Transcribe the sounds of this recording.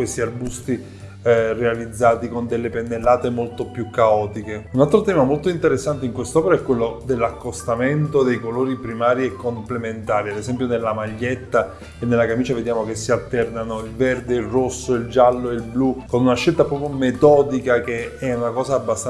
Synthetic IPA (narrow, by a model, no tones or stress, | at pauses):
kwest̪iarbust̪i | realid̪zːaːt̪ikond̪elːepenːelːaːt̪emolt̪opjukːaɔːt̪ikeunalt̪ɾot̪ɛːmamolt̪oint̪eɾesːant̪eiŋkwest̪ɔːpeɾaɛkːwelːod̪elːakːost̪ament̪od̪ejkoloːɾipɾimaːɾiekːomplement̪aːɾiad̪esɛmpjonelːamaʎːet̪ːa | enːelːakamiːt͡ʃaved̪jaːmokesːialt̪ɛrnanoilvɛrd̪eilrosːoild͡ʒalːoeilblukonunaʃːelt̪apɾɔːpjomet̪ɔːd̪ikakeɛunakɔːsaːbːast̪a